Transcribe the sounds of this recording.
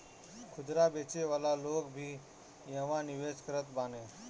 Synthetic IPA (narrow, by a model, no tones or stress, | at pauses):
kʰʊd̪ɾabet͡ʃeʋaːlaloːkbʱiː | jəʋãnɪʋeːskəɾət̪baːneː